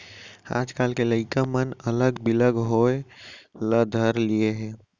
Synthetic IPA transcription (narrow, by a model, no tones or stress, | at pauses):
a̰ːd͡ʒkaːlkeləɪkamənələɡbɪləɡɦoeləd̪ʱəɾlieɦɛː